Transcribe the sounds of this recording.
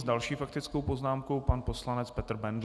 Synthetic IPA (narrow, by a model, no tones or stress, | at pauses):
zdalʃiːfakt̪ɪt͡skowpo̞znaːmkowpanpo̞slanɛt͡spɛt̪r̩bɛnd